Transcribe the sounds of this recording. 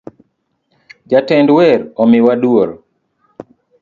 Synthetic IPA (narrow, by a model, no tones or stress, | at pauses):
d͡ʒatɛndwɛɾɔmɪwadwoɾ